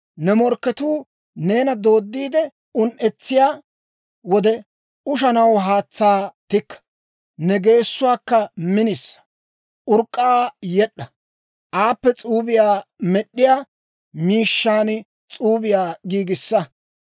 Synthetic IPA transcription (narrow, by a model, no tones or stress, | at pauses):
nɛmɔɾkːɛt̪uː | ne̞ːnɐd̪o̞ːd̪ːiːd̪ɛ | ʊnʔɛt͡sːɪjaː | wɔd̪ɛ | ʊʃɐnɐwɦaːt͡sːaːt̪ɪkːɐ̥ | nɛɡe̞ːsːʊwaːkːɐmɪnɪsːɐ̥ | ʔʊɾkʼːaːjɛɗːɐ | ʔaːpːɛt͡sʼuːbɪjaːmɛɗːɪjaː | miːʃːaːn | t͡sʼuːbɪjaːɡiːɡɪsːɐ